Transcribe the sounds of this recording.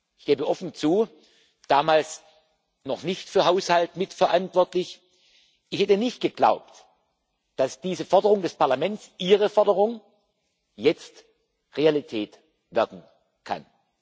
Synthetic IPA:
ʔɪçɡ̥eːbəʔɔfn̩t͡suː | d̥aːmaːls | nɔχnɪçtfyːɐɦaʊshaltmɪtfɐʔantv̥ɔɐtlɪç | ʔɪçhɛtənɪçt̚ɡ̥əɡ̥la̰ʊp̚t | d̥asd̥iːzəfɔɐdəʁʊŋdɛspʰaɐlamɛntt͡sʔiːʁəfɔɐdəʁʊŋ | jɛt͡st | ʁealitʰɛːt | vɪɐkn̩ | kʰa̰n

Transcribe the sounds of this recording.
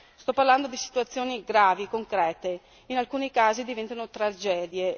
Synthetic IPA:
st̪ɔpːarland̪od̪isi̥t̪uat̪sːjoːniɡɾaːvikoŋkɾɛːt̪e | inalkuːnikaːzid̪ivɛnt̪anot̪ɾad͡ʒɛːd̪je

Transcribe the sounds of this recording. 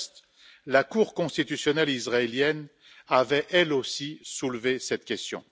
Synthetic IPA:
st̪ | lakuːʁkɔ̃st̪it̪ysjɔnɛlisʁaeljɛn | avɛʔɛlosisulvesɛt̪kʲɛst̪jɔ̰̃

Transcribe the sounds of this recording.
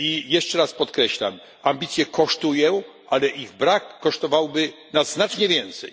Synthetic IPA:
ijɛʂt͡ʂɛɾaspɔt̪kɾɛɕla̰m | ambʲit̪sʲjɛkʰɔʂt̪ujɛ | ʔalɛʔiɣbɾakːɔʂt̪ɔvawbɘ | naznat͡ʂɲɛvʲjɛnt̪sɛ̰j

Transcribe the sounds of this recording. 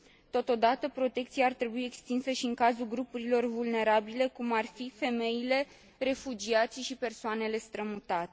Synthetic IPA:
t̪o̞t̪o̞d̪at̪əpɾo̞t̪e̞k̚t̪siaːrt̪ɾe̞buie̞kst̪insəʃiɨŋkazulɡɾupuɾilo̞rvulne̞ɾabile̞kumarfife̞me̞jile̞ | re̞fud͡ʒiat̪sʲʃipe̞rsoane̞le̞st̪ɾəmut̪at̪e

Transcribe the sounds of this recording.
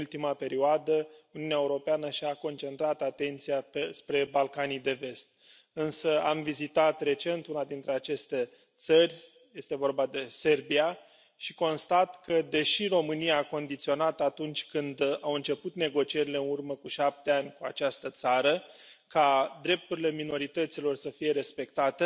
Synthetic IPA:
lt̪imape̞ɾioad̪əuniuuneaeuɾo̞peanəʃiako̞nt͡ʃe̞nt̪ɾat̪at̪e̞nt̪sijapespɾe̞balkanijd̪e̞ve̞st̪̚ | ɨnsəamvizit̪at̪re̞t͡ʃe̞nt̪unad̪int̪ɾe̞at͡ʃe̞st̪e̞ | t̪sərʲ | je̞st̪evo̞rbad̪e̞se̞rbia | ʃiko̞nst̪at̪kəd̪e̞ʃiro̞mɨnijaːko̞nd̪it̪sio̞nat̪at̪unt͡ʃʲkɨnd̪awɨnt͡ʃe̞put̪ne̞ɡo̞t͡ʃije̞ɾile̞ɨnurməkuʃap̚t̪e̞anʲkuat͡ʃast̪ət̪saɾəkad̪ɾe̞p̚t̪uɾile̞mino̞ɾit̪ət̪silo̞rsəfije̞ɾe̞spe̞kt̪at̪e

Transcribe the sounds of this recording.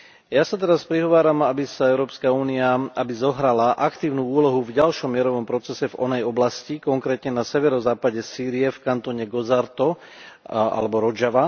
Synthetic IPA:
jasat̪ɛɾaspɾiɦɔʋaːɾamabisaɛʊɾɔːpskauːniaabizɔɦɾalaʔakt̪iːʊnuːuːlɔɦuvɟalʃɔmːɪɛɾɔʋɔmpɾɔt͡sɛsɛvɔ̰nɛjɔblascikɔŋkɾɛːt̪ɲɛnasɛʋɛɾɔzaːpaɟɛsiːɾiɛfkant̪ɔɲɛɡɔzaɾt̪ɔ | a̰lɛbɔɾɔd͡ʒaʋa

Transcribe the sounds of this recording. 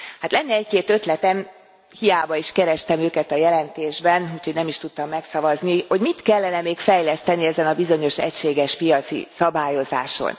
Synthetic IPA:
haːt̪lɛnːɛɛckeːt̪ø̞t̪lɛt̪ɛn | hijaːbɒiʃkɛɾɛʃt̪ɛmøːkɛt̪ɒjɛlɛnt̪eːʒbɛnuːchoɟnɛmiʃt̪ut̪ːɒmːɛksɒvɒzniho̞ɟmit̪kɛlːɛnɛmeːkfɛjlɛst̪ɛniɛzɛnɒbizo̞ɲo̞ʃɛ̰cʃeːɡɛʃpijɒt̪sḭsɒbaːjo̞za̰ːʃo̰n

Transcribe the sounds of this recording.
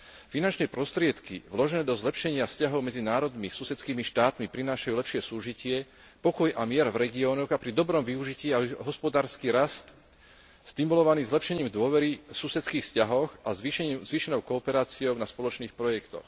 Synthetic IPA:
finant͡ʃnɛːpɾɔst̪ɾɪɛt̪kḭʋlɔʒɛnɛːd̪ɔzlɛpʃɛɲɪafscaɦɔʊmɛd͡zinaːɾɔd̪misusɛt͡skiːmiʃt̪aːt̪mipɾinaːʃajuːlɛpʃɪɛsuːʒicɪɛ | pɔkɔjʔamɪɛɾvɾɛɡiɔːnɔɣapɾid̪ɔbɾɔmʋiuʒiciːaɦɔspɔd̪aːɾskiːɾast̪ | st̪imulɔʋaniːzlɛpʃɛɲiːmd̪ʊɔʋɛɾisusɛt͡skiːxfscaɦɔxazʋiʃɛɲːmzʋiʃɛnɔʊkɔːpɛɾaːt͡siɔʊnaspɔlɔt͡ʃniːxpɾɔjɛkt̪ɔ̰x

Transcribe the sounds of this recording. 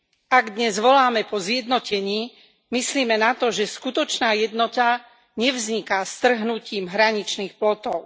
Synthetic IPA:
aɡd̪ɲɛzʋɔlaːmɛpɔzjɛd̪nɔcɛɲiː | misliːmɛnat̪ɔʒɛskut̪ɔt͡ʃnaːjɛd̪nɔt̪a | ɲɛvzɲikast̪r̩ɦnuciːmɦɾaɲit͡ʃniːxplɔt̪ɔʊ

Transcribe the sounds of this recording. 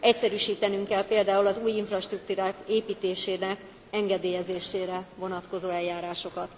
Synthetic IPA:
ɛcsɛɾyːʃiːt̪ɛnyŋkɛlpeːld̪aːulɒzuːjiɱfrɒʃt̪rukt̪uːɾaːkeːpiːt̪eːʃeːnɛk | ɛŋɡɛd̪eːjɛzeːʃeːɾɛvo̞nɒt̪ko̞zoːɛjjaːɾaːʃo̞kɒt̪

